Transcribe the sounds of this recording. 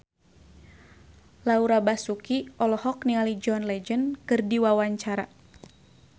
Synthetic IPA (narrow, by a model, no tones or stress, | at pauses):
lauɾabasukiɔlɔhɔknialid͡ʒɔnlɛd͡ʒənkɨrdiwawaɲt͡ʃaɾa